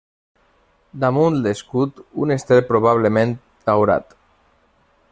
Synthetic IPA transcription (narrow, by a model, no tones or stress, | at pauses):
d̪amund̪eskut̪ṵnest̪epɾoβ̞aβ̞lemẽnt̪ | d̪awɾa̰t̪